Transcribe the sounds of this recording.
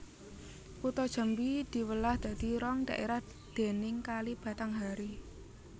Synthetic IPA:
kut̪ɔd̥ʒ̥a̤mbid̪̥i̤wəlahd̪̥ä̤d̪̥iɾɔŋd̥̪a̤ʔeɾah | d̪̥e̤nɪŋkalib̥ä̤t̪aŋɦaɾi

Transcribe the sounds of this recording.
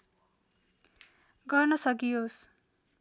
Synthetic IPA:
ɡʌrnʌsʌk̬ios

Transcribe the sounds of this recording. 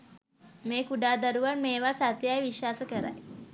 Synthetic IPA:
meːkuɖaːd̪aɾuʋanmeːʋasat̪jajʋiʃaːsəkəɾa̰j

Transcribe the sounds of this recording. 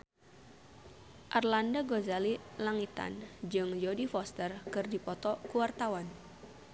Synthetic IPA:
ʔarlandaɡozalilaŋit̪a̰nd͡ʒɨŋd͡ʒodifɔst̪ərkɨrdipɔt̪ɔkuwart̪awan

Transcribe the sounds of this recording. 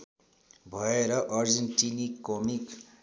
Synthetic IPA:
bʱʌeɾʌʔʌrd͡zenʈinikːomik

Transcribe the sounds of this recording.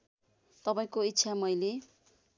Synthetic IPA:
t̪ʌpaĩkoit̪ːsʰamʌjle

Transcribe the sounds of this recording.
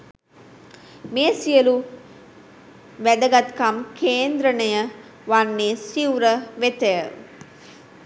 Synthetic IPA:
meːsijəlu | ʋæd̪əɡat̪kamkʰeːnd̪ɾənəjə | ʋanːeːsiwuɾəʋet̪əjə

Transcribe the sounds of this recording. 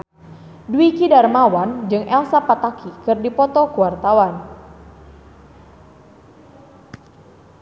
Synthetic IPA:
duwikidarmawand͡ʒɨŋʔɛlsapat̪akʰikɨrdipɔt̪ɔkuwart̪awan

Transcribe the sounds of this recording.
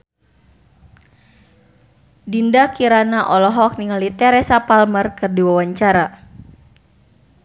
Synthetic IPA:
dindakiɾanaʔɔlɔɦɔk̚niŋalit̪ɛɾesapalmərkɨrdiwawaɲt͡ʃaɾa

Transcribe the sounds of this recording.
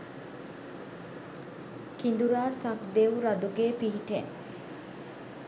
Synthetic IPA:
kind̪uɾaːsɐkd̪eʋuɾɐd̪uɡeːpiɦiʈe

